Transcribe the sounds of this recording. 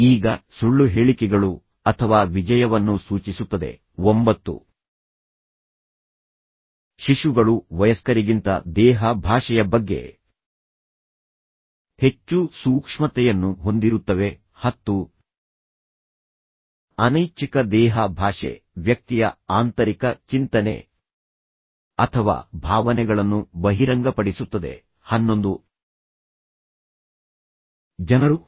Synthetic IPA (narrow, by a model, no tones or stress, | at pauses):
iːɡɐsuɭːuɦe̞ːɭikɛɡɐɭu | ɐt̪ʰɐʋaːʋid͡ʒɐjɐʋɐnːusuːt͡ʃisut̪ːɐd̪e̞̰ | ombɐt̪ːṵ | ʃiʂuɡɐɭuʋɐjɐskɐɾiɡint̪ɐ̰d̪ɛːɦɐbʱaːʂɐjɐbɐɡːe̞̰ | he̞t͡ʃːusuːkʂmɐt̪ɛjɐnːuɦo̞nd̪iɾut̪ːɐʋe̞ | hɐt̪ːu | ɐnɐjt͡ʃikɐd̪ɛːɦɐbʱaːʂɛ̰ | ʋjɐk̚t̪ijɐaːnt̪ɐɾikɐt͡ʃint̪ɐnḛ | ɐt̪ʰɐʋa̰ːbʱaːʋɐnɛɡɐɭɐnːubɐɦiɾɐŋɡɐpɐɽisut̪ːɐd̪e̞̰ | hɐnːo̞nd̪u | d͡ʒɐnɐɾu